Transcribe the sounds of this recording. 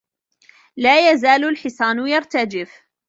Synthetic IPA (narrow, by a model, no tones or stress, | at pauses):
laːjazaːlʊlħɪsˤɑːnʊjɑɾˤt̪ad͡ʒɪf